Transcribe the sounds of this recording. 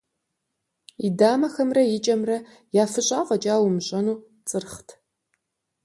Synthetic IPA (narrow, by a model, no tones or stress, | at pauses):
idaːmɐxɐmrɐjɪt͡ʃʼɐmrɐ | jaːfɨɕʼaːqɐt͡ʃʼaːwʊmɕʼɐnuː | t͡sʼɨrχtʰ